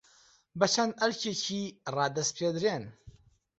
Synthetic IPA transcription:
bɐt͡ʃʰɐnɐɾt͡ʃʰet͡ʃʰiːrɑːd̪ɐst̪̚pʰeːd̪ɾen

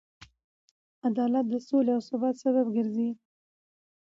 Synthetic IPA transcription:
ad̪ɑlat̪̚d̪əsoleawsʊbɑt̪saβabɡəɾzi

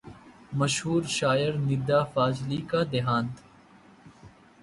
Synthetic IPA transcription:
mɐʃɦuːɾʃaːəɾnɪd̪aːfaːsliːkaːd̪eɦãːnt̪

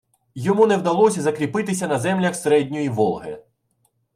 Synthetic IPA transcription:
jɔmunɛwd̪ɐlˠɔsʲɐzɐkɾʲipɪt̪ɪsʲɐnɐzɛmlʲɐxseɾɛdʲnʲɔjiʋɔlˠɦɪ̰

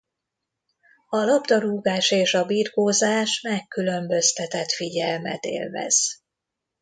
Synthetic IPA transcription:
ɒlɒbd̪ɒɾuːɡaːʃeːʃɒbiːrɡoːzaːʃmɛkːylø̞mbø̞st̪ɛt̪ɛt̪fiɟɛlmɛ̰t̪ḛːlvɛ̰z̥

